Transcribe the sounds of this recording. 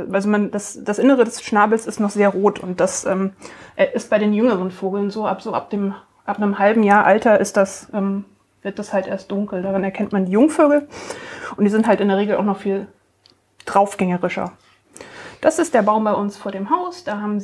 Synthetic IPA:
ʔalzomand̥asd̥asʔɪnəʁ̞ədɛsʃnaːbl̩sɪstnɔχz̥eːɐʁoːtʰʊ̰nt̚d̥asʔɛːmʔʔɪst̚b̥aɪɾeːnjʏŋəʁ̞ənfoːɡl̩nzoːʔapz̥oːa̰p̚d̥eːm | ʔapnəmhalbm̩jaːɐʔaltɐʔɪstd̥asʔɛːm | vɪɐt̚d̥ashaltʔḛːɐst̚d̥ʊŋkl̩daːʁɪnɛɐkʰɛntmandiːjʊŋføːɡl̩ | ʔʊnd̥iːzɪnthaltɪndeɛɐʁeːɡl̩aʊxnɔχfiːl | d̥ʁaʊfɡ̥ɛŋəʁɪʃɐ̰ | d̥asɪst̚d̥eːɐbaʊmbaɪʔʊnsfoːɐɾeːmɦaʊsd̥aːɦaːbm̩z

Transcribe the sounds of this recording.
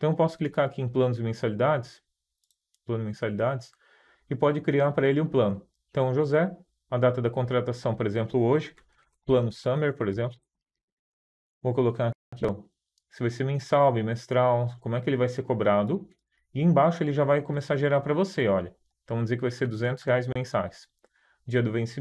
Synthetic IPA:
ẽt̪ɐ̃ewpɔsʊ̥klikaɾakiẽj̃plɐ̃nʊzɪmẽsalid̪ad͡ʒɪs | plɐ̃nzɪmẽsalid̪ad͡ʒɪs | ɪpɔd͡ʒɪkɾiaɾpɾɐelɪũplɐ̃nʊeẽt̪ɐ̃w̃ʊʒozɛ | ɐd̪at̪ɐd̪ɐkõnt̪̬ɾat̪asɐ̃w̃poɾezẽmplʊoʒɪ | plɐ̃nʊsɐ̃meɾpoɾezẽmplʊ | vokolokãnɐt̪ɐ̃w̃ | sɪvajseɾmẽsawbĩmest̪ɾawkomʊɛkɪelɪvajseɾkobɾad̪ʊ | ɪẽj̃baʃʊelɪʒavajkomesaɾɐʒeɾaɾpɾɐvoseɔʎɐ | ẽt̪ɐ̃d͡ʒzeɾkɪvajseɾd̪uzẽnt̪ʊ̥sheajzmẽsajs | d͡ʒiɐd̪ʊvẽsɪ

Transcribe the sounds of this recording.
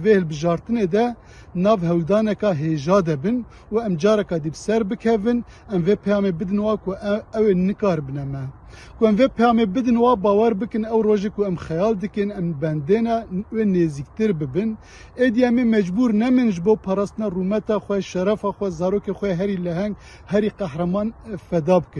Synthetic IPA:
vehɨlbɨʒɑːɾt̪ɨneːd̪ɛ | nɑːvhɛwd̪ɑːnɛkɑɦeːʒɑːd̪ɛbɨn | uɛmd͡ʒɑːɾɛkɑd̪ibɨsɛɾbɨkʰɛvɨn | ɛmveːpʰɛjɑːmebɨd̪ɨnwɑːkʰʊɛweːnɨkɑːɾbɨnɛmɛ | kʰʊɛmveːpʰɛjɑːmebɨd̪ɨnwɑːbɑːwɛɾbɨkɨnɛwroːʒekʊɛmxɛjɑːld̪ɨkɨnɛmbɛnd̪eːnɛweːneːziːk̚t̪ɨɾbɨbɨn | eːd̪iɛmemɛd͡ʒbuːɾnɛmɨnʒɨboːpʰɑːɾɑːst̪ɨnɑːrumɛt̪ɑːxʷɛʃɛɾɛfɑːxʷɛzɑːɾoːkexʷɛjeɦɛɾilɛɦɛŋɡ | hɛɾiːqɛhɾɛmɑːnfɛd̪ɑːbɨkɨn

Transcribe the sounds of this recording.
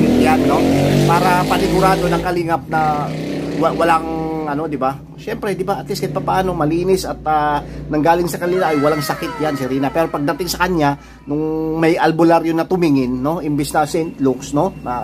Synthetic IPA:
ɪt̪janːo̞paːɾɐpɐnɪɡʊɾaːd̪o̞nɐŋkɐlɪŋɐp̚nɐ | wwɐlaŋɐno̞d̪ɪba | ʃɛmpɾɛd̪ɪbaʔɐt̪liskɐjpɐpɐʔaːno̞mɐliːnɪsɐt̪̚anɐŋɡaːlɪŋsɐkɐnɪlaʔɐjwɐlaŋsɐkɪt̪̚jansɪɾiːnɐpɛːɾo̞pɐɡ̚d̪ɐt̪ɪŋsɐkɐnja | nʊŋmɐjʔɐlbʊlaɾjonɐt̪ʊmiŋɪnːo̞ɪmbɛsnɐsɛnt̪luksno̞nɐ

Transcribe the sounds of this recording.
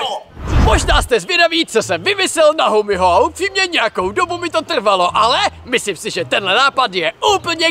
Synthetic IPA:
mo̞ʒnaːst̪ɛzvjɛdaviːt͡so̞sɛmvɪmɪsɛlnaɦomɪɦoaupr̥iːmɲɛɲɛjako̞wdo̞bumɪt̪o̞t̪r̩valo̞ʔalɛmɪslimsɪʒɛt̪ɛnɦlɛnaːpadjɛʔuːpl̩ɲɛ

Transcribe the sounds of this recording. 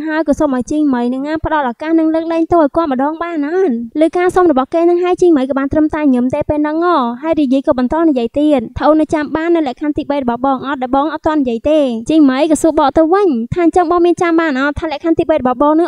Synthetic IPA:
ɦaəjkɑːsoːmʔajt͡ɕiːŋməjnɨŋapə̆ɗɑlʔaːkahnɨŋləːk̚ɗɛːɛŋt̪oːʔɔjkoət̪̚məɗɑːŋɓaːnʔanlɨːkaːsomrɔɓɑhkeːnɨŋɦaəjt͡ɕiːŋməjkɑːɓaːnt̪rəmt̪aɛɲɨəmt̪eːpeːlnɨŋːɑːɦaəjriəjiəjkɑːɓɑnt̪oɔːnijəəjt̪iət̪̚t̪ʰəʔoːnɨt͡ɕamɓaːnːɨwlɛ̆əʔkʰant̪iːɓəjrɔɓɑhɓɑːŋʔɑt̪̚ɗaɛɓɑːŋʔɑt̪̚tŏənːijəəjt̪eːt͡ɕiːŋməjkɑːsuəɓɑːʔt̪ɨwʋɨɲt̪ʰaːʔɲt͡ɕəŋɓɑːŋmiənt͡ɕamɓaːnʔɑːt̪ʰaːlɛ̆ʔkʰant̪iːɓəjrɔɓɑhɓɑːŋnɨ

